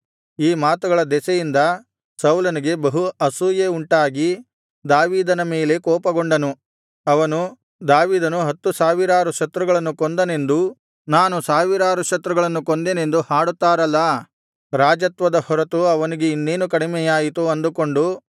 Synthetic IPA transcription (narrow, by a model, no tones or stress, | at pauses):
iːmaːt̪uɡɐɭɐd̪ɛsɛjind̪ɐ | sɐwlɐniɡe̞bɐɦuɐsuːjeuɳʈaːɡi | d̪aːʋiːd̪ɐnɐmeːle̞kɔːpɐɡoɳɖɐnu | ɐʋɐnu | d̪aːʋiːd̪ɐnuɦɐt̪ːusaːʋiɾaːɾuʃɐt̪ɾuɡɐɭɐnːukond̪ɐne̞nd̪u | naːnusaːʋiɾaːɾuʃɐt̪ɾuɡɐɭɐnːukond̪ene̞nd̪uhaːɽut̪ːaːɾɐlːɐ | ɾaːd͡ʒɐt̪ʋɐd̪ɐhɔɾɐt̪uɐʋɐniɡe̞inːeːnukɐɽimɛjaːjit̪uɐnd̪uko̞ɳɖu